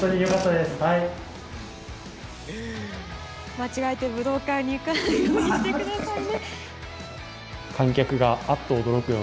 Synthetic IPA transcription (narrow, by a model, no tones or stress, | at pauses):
t̪oɲ̟ijokat̪ːad̪esɨ̥hai | mat͡ɕiɡaet̪e̞bɯ̟d̪o̞ːkãɲ̟iɯkat̪ekɯ̟d̪asaine | kʰãŋkʲakɯ̟ɡaat̪ːoːd̪o̞ɾo̞kɯ̟